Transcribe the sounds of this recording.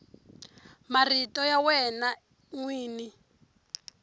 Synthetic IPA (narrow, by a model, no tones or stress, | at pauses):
maritɔjawɛna | ŋwiːni